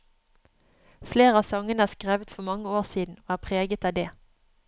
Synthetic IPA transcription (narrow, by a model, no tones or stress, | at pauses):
fleːʁəɑːsɑŋənəæːʁskʁeːʋət̪fɔmɑŋːəoːʁsiːd̪n̩oːæːpʰʁeːɡət̪ɑːd̪eː